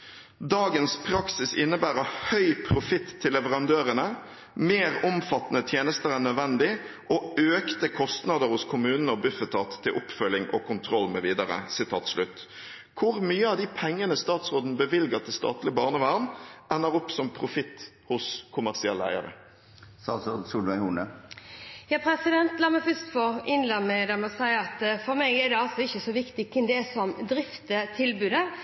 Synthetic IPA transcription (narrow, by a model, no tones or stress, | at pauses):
d̪ɑːɡənspʰɾɑksɪsɪnːəbæːʁəhœʏpʰɾʊfɪt̪ʰːɪlːɛʋəʁɑnd̪øːɾənə | meːʁʊmfɑt̪ːnət̪ʰjeːnəst̪əɾænœd̪ʋɛnd̪ɪ | ʔoøːkt̪əkʰɔst̪nɑd̪əɾhʊskʰʊmʉːnnəɔbʉfət̪ʰɑːt̪ʰːɪlʔʊpfœlːɪŋʔɔ̰kʰʊnt̪ʰɾɔlmɛʋiːd̪ɑʁə̰sɪt̪ʰɑ̰ːt̪slʉt̪ː | kʰʊʁmyːəɑd̪ɪpʰɛŋːənəst̪ɑːt̪sʁoːd̪n̩bəʋɪlɡət̪ʰɪlst̪ɑ̰ːt̪lɪəbɑːʁnəʋæːʁnʔænːəʁʊpːsɔmpʰʁʊfɪt̪ː | hʊskʰʊmæʁsɪɛlːæ̰ɪə̰ɾə̰ | sɑ̰ːsɔsuːlʋæɪhuːnə | jɑːpʰɾɛsɪd̪ɛnt̪lɑːmɛfœst̪fɔɪnlɛmːɛd̪ɛmɔsæɪəɑt̪fɔɾmɛɪɡɛd̪ɛɑlsɔɪçːəsɔʋɪkt̪ɪkʰɪnd̪ɛsɔmd̪ɾɪft̪ət̪ʰɪlbʉːd̪ə